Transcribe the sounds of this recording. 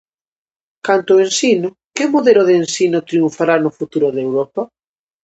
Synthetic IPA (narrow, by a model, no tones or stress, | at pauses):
kant̪ʊensinʊ | kɪmoðelʊðeːnsinʊt̪ɾiuɱfaɾanʊfut̪uɾʊðewɾɔpa